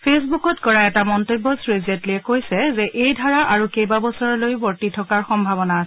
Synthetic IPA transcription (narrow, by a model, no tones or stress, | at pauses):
pʰesbukɔtkɔɹaɛtamɔntobɔsɹezɛntlijɛkojsɛzɛʔejdʱaɹaʔaɹukejbabɔsɔɹɔlojbɔɹtitʰɔkaɹxɔmbʱabɔnaːsɛ